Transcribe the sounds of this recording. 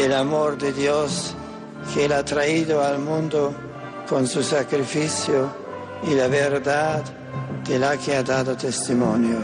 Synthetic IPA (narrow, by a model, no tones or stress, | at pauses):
elamoɾd̪ed̪jos | kʰelat̪ɾaid̪oalmund̪o | konsusakɾifisjo | ilaveɾd̪ad̪ | d̪elakead̪ad̪ot̪est̪imonjo